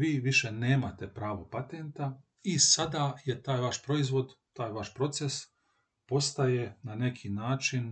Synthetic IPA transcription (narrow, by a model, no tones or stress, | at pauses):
ʋiːʋiʃe̞neːmat̪e̞pɾaːʋo̞pat̪ent̪a | isad̪aje̞t̪aːjʋaʃpɾo̞izʋo̞d̪t̪aːjʋaʃpɾo̞t̪se̞s | po̞st̪aje̞nane̞kʰinaːt͡ʃin